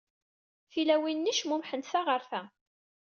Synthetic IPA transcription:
filæwinːiʃmumħənt̪θaʁəɾfæ

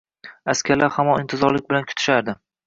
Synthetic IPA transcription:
askʲʰaɾlaɾhamɒnɪnt̪ʰɪzɒɾlɪk̚ʲbɪlankʰʊ̥t̪ʰɪ̥ʃaɾd̪ɪ

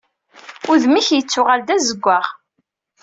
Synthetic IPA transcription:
ʊðmiçjət͡sːʊʁald̪æzəɡʷːaʁ

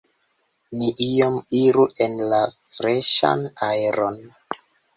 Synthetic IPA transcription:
niʔiomiɾuʔe̞nlafɾeʃa̰naeɾon

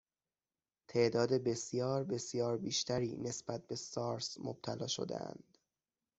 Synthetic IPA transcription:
t̪ʰe̞ʔd̪ɒːd̪e̞be̞sjɒːɾbe̞sjɒːɾbiːʃt̪ʰæɾiːne̞sbæt̪̚be̞sɒːɾsmo̰b̥̚t̪ʰælɒːʃo̞̰d̪ḛʔæ̰nd̪̥

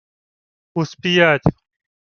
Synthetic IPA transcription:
uspijaːt̪ʲ

